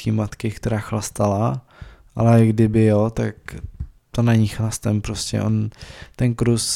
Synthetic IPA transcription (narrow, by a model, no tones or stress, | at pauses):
kimat̪kɪkt̪ɛɾaːxlast̪ala | ʔalɛɡdɪbɪjot̪ak | t̪onaɲɪxlast̪ɛmpɾoscɛ̰ʔo̰nt̪ɛnkɾus